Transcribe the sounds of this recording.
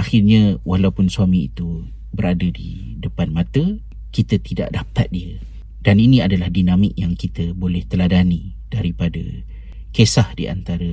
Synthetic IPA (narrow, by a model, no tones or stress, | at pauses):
axɪrɲawʔalawpʊnsuamiḭt̪u | bəɾadədidəpanmat̪ə | kit̪ət̪ida̰ʔdap̚t̪at̪̚diə | d̥aninĩadalahdinamɪk̚jaŋkit̪əbolɛht̪əladani | d̥aɾipadə̰ | kesahdḭa̰nt̪aɾə